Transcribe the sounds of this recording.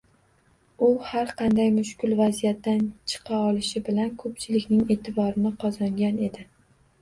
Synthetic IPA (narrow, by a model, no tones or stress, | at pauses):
ʊhaɾqʰɑnd̪ajmʊʃkʲʊlvazijat̪ːant͡ʃʰɨ̥qʰɑɒlɪʃɪbɪlankʰɵpt͡ʃʰɪlɪkʲnɪŋe̞t̪ʰɪbɒɾɪnɪqʰɒzɒŋɡʲane̞d̪ɪ